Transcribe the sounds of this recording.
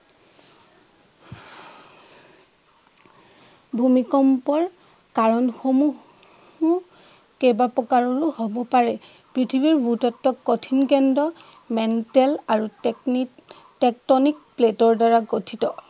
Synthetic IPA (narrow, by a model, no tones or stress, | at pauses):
bʱumikɔmpɔɹ | kaɹɔnxomu | u | kebapɔkaɹɔɹuhobɔpaɹɛ | pɹitʰibiɹbutɔtːɔkːotʰinkɛndɔ | mɛntɛlaɹu | tɛk̚tɔnik̚pletɔɹdaɹaɡotʰitɔ